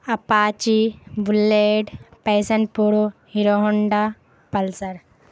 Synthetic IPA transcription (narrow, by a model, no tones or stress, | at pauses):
ɐpaːt͡ʃibulːeɖpɐjsɐɳʈ̚puɾuhiɾoɦuɳɖa | pɐlsɐɾ